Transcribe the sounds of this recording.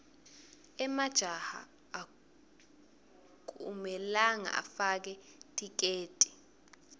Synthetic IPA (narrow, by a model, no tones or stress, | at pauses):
ɛmad̥ʒ̥ʱaha̰ː | k̬ʼṵmɛlaŋa̰ʔa̰fak̬ɛtʰʼik̬eːtʼi̥